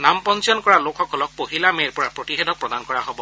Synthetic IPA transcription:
nampɔnt͡ʃɔnkɔɹalokʰɔkɔlɔk̚poɦilameɹpɔɹapɹotiɦedʱɔkpɹɔdankɔɹaɦobɔ

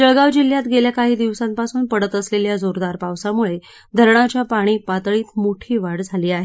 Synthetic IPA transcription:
d͡ʑəɭɡaʋd͡ʑil̤jat̪ɡeljakaɦiːd̪iʋsampasuːnpəɽət̪əsleljad͡zoɾd̪aɾpaʋsamuɭe | d̪ʱəɾɳ̃at͡ɕjapaɽ̃iːpat̪ɭiːt̪moʈʰiːʋaɽd͡zʱaliːaɦe

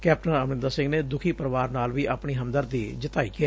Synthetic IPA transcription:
kɛːp̚ʈənəmnɪ̃nd̪aːsɪ̃ŋɡneːd̪ʊkʰiːpəɾəʋaːɾnaːlʋiːʔaːpɳiːɦəmd̪əɾd̪iːd͡ʒət̪aːiːkɪɛː

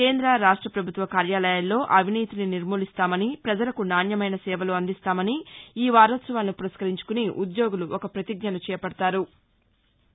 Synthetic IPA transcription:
ke̞ːnd̪ɾɐɾaːʂʈɾɐpɾɐbʱut̪ʋɐkaːɾjaːlɐjɐlːo̞ːʔɐʋiniːt̪ininiɾmuːlist̪aːmɐnipɾɐd͡ʒɐlɐkunaːnjɐmɐjnɐsɛːʋɐloːɐnd̪ist̪aːmɐniiːʋaːɾɐt̪sɐʋaːlnupuɾɐskɐɾiɲt͡ʃu̥kuniʔud̪jo̞ːɡuluʔokɐpɾɐt̪iɡ̚ɲɐnut͡ʃɛːjɐpɐɽɐt̪aːɾu

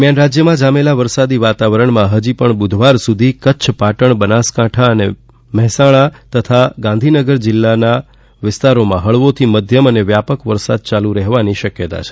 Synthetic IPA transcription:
mjanɾad͡ʒjəmãd͡ʒamelaʋəɾsad̪iʋat̪aʋəɾəɳmãɦəd͡ʒipəɳbud̪ʱʋaɾsud̪ʱikəːt͡ʃʰpaʈəɳbənaskãʈʰaəne | mɛɦsaɭ̃at̪ət̪ʰaɡãnd̪ʱinəɡəɾd͡ʒɪlːana | ʋɪst̪aɾomãɦəɭʋot̪ʰiməd̪ʱjəməneʋjapəkʋəɾsad̪̚t͡ʃaluɾəɦʋaniʃəkjət̪a̰t͡ʃʰe̥

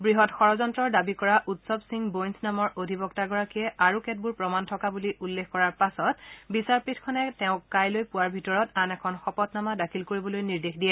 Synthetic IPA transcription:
bɹiɦɔtxɔɹɔzɔntɹɔɹdabikɔɹaʔutsɔbsiŋbojnsʰnamɔɹodʱibɔktaɡɔɹakiɛʔaɹukɛt̚buɹpɹɔmantʰɔkabuliʔulːekkɔɹaɹpasɔtbisaɹpitʰkʰɔnɛtɛʊ̃kajlojpuwaɹbʱitɔɹɔtanɛkʰɔnxɔpɔtnamadakʰilkoɹibɔlojniɹdexdijɛ

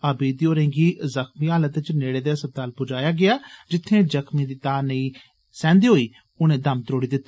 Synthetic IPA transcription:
əːbiːd̪iːoːɾẽːŋɡiːzəxmiːaːlət̪t͡ʃneːɽeːd̪aːsət̪ːaːlpʊd͡ʒaːjaːɡɪaːd͡ʒɪt̪ʰːẽːd͡ʒəkmĩːd̪iːt̪aːnəĩː | sɛ̃ːnd̪iːɦoːiː | ʊnẽːd̪əmt̪ɾoːɽiːd̪ɪt̪ːa

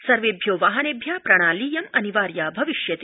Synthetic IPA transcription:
sɐɾʋeːbʱjoːʋaːɦɐnebʱjaːpɾɐɽ̃aːliːjɐmɐniʋaːɾjaːbʱɐʋiʃjɐt̪i

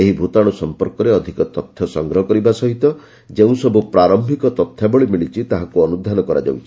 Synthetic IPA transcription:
eɦibʱut̪aɽ̃usɔmpɔɾkɔɾeɔd̪ʱikɔt̪ɔt̪ʰːjɔsɔŋɡɾɔɦɔkɔɾibasɔɦit̪ɔ | d͡ʒeũsɔbupɾaɾɔmbʱikɔt̪ɔt̪ʰːjabɔɭimiɭit͡ʃʰit̪aɦakuɔnud̪ʱanɔkɔɾa̰d͡ʒa̰wt͡ʃʰi̥

